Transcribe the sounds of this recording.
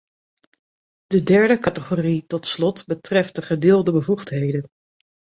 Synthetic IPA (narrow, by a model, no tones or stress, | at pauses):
d̥ədɛɹdəkɑtəχoritɔtslɔtbətrɛftəχədɪːlˠdəbəvuχtɦejdən